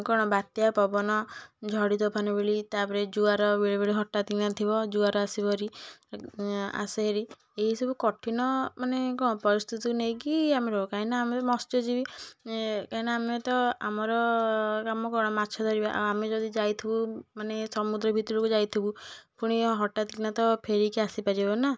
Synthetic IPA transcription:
kɔɽ̃ɔbat̪japɔbɔnɔd͡ʒʱɔɽit̪ɔpʰanɔbeɭit̪apɔɾed͡ʒuaɾɔbeɭibeɭiɦɔʈːat̪inat̪ʰibɔd͡ʒuaɾɔasibɔɾi | a̰sɔɦeɾi | eɦisɔbukɔʈʰinɔmanekɔɽ̃ɔpɔɾist̪ʰit̪ikunejkiameɾɔbɔkaɦinaːmet̪ɔmɔst̪ɔd͡ʒibi | kaɦinaːmet̪ɔa̰mɔɾɔkamɔkɔɾɔɽ̃ɔmatːt͡ʃʰɔd̪ʱɔɾibaʔa̰amed͡ʒɔd̪id͡ʒajt̪ʰibumanesɔmud̪ɾɔbʱit̪ɔɽukud͡ʒajt̪ʰibupuɽ̃iɦɔʈːat̪ikinat̪ɔpʰeɾikiasipaɾibɔna

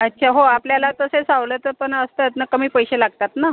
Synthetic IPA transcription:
ətːɕʰaɦoapljalat̪əsesaʋlet̪əɾpəɳəst̪ət̪nəkəmiːpəjɕelaɡ̚t̪at̪na

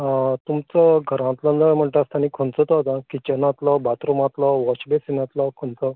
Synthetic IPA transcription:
t̪umt͡sɔɡʱəɾãt̪lə̃nd̪əm̤əɳʈ̪ast̪añikʰont͡sət̪ɔt̪ãkit͡ɕənãt̪lɔbat̪ɾomãt̪lɔʋɔɕbesinãt̪lɔkʰont͡sɔ

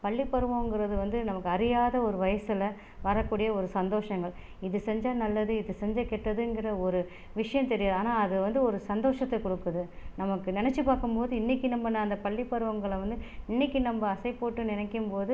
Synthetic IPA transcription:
pɐɭːipːɐɾɯʋɐ̃ŋɡɪɾɐðɯʋɐnd̪ɯnɐmɐkːɯɐɾɪjaːðɐɔɾɯʋɐjɐsɪlɐ | ʋɐɾɐkːuːɽɪjɐɔɾɯsɐnd̪oːʂɐŋɡɐɭ | ɪðɯsɛɲd͡ʒɐnɐlːɐðɯɪðɯsɛɲd͡ʒɐkɛʈːɐðɯɛŋɡɪrɐɔɾɯ | ʋɪʂɐjɐ̃mt̪ɛɾɪjaːðaːnaːɐðɯʋɐnd̪ɯɔɾɯsɐnd̪oːʂɐt̪ːɐkɔɽɯkːɐðɯnɐmɐkːɯnɪnɛt͡ʃːɯpaːɾkɯmpoːðɯɪnːɪkːinɐmbɐnãːɐnd̪ɐpɐɭːipːɐɾɯʋɐŋɡɐɭɐʋɐnd̪ɯɪnːɪkːinɐmbɐːsɐɪpoːʈːɯnɪnɛkːɯmpoːðɯ

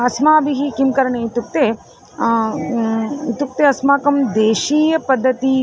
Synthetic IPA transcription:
ɐsmaːbiɦikimkɐɾɐɳeːit̪uk̚t̪e | it̪uk̚t̪eɐsmaːkɐmd̪eːʃiːjɐpɐd̪ʱːɐt̪i

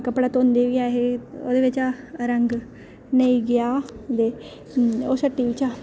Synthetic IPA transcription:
kəpɽaːt̪oːnd̪eːʋiːaːɦeːo̰ːd̪eːʋɪt͡ʃaːɾəŋɡ | nəiːɡɪjaːd̪eː | oːsəʈːiːʋɪt͡ʃaː

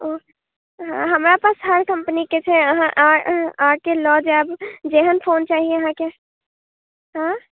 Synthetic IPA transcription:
o | ɦãɦəmɾapasɦəɾkəmpəniket͡ʃʰɛəɦãʔaɦãkelɔd͡ʒabd͡ʒeɦənpʰoːnt͡ʃaːɦieəɦãke | ɦã

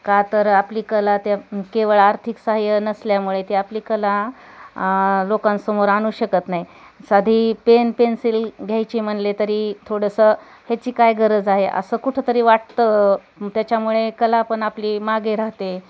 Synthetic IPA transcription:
kat̪əɾapliːkəlat̪akeʋəɭaɾt̪ʰiksaɦjənəsljamuɭet̪iapliːkəla | lokãnsəmoɾañuːɕəkət̪nai | sad̪ʱiːpenpensilɡʱjajt͡ɕiːm̤əɳlet̪əɾiːt̪ʰoɽəsəː | het͡ɕiːkajɡʱəɾəd͡zaɦeʔə̰səːkuʈʰet̪əɾiːʋaʈ̚t̪ə | t̪jat͡ɕjamuɭekəlapəɳapliːmaɡeɾaɦt̪e

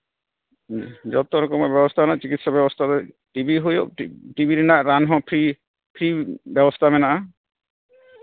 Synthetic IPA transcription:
d͡ʒɔt̪ɔɾɔkɔmɔbɔbɔst̪ʰanat͡ʃikit̪sɔbjɔbɔst̪ʰat̪ɔ | ʈibiɦojoiʈibʱiɾɛnaʔɾanɦɔ̃pʰɾi | pʰɾibjɔbɔst̪ʰamɛnaʔa

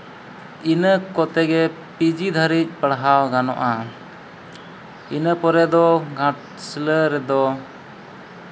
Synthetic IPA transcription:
inəkɔt̪ɛɡɛ | pid͡ʒid̪ʱəɾic̚ˀpəɽɦawɡanɔ̰ʔa | inəpɔɾɛd̪ɔɡʱãʈ̚ | sələɾɛd̪ɔ

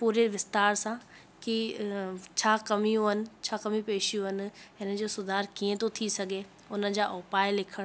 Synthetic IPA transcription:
puːɾeʋɪst̪aːɾsã | ki | t͡ɕʰaːkɐmijũɦɐnɪ̆t͡ɕʰaːkɐmipeːʃijũɦɐnɪ̆ɦɪnəd͡ʑoːsʊd̪ʱaːɾkiːẽt̪ot̪ʰisɐɡʱe | ʊnəd͡ʑaːʔoːpaːɪlɪkʰəɽ̃

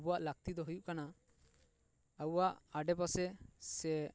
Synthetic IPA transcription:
buwaʔlak̚t̪id̪ɔɦujuʔkana | awwaʔaɖɛpasɛsɛ

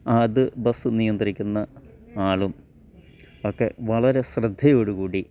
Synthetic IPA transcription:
ɐðɨbɐsɨnijɐnd̪ɐɾikʲːunːɐ | aːɭum | o̞kːe̞ʋɐɭɐɾe̞srɨd̪ʱːɐjo̞ːɽuɣuːɽi

